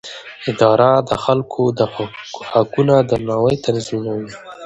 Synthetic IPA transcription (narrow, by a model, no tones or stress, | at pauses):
ɪd̪ɑɾad̪əxalkʰod̪əhakunad̪ənɑwəjt̪aɾzinawi